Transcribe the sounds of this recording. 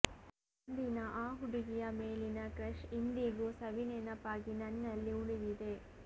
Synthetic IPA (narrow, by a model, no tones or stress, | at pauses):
ɐnd̪inɐʔaːɦuɽiɡijɐmeːlinɐkɾɐʂind̪iɡusɐʋineːnɐpaːɡinɐnːɐlːiuɽiʋid̪e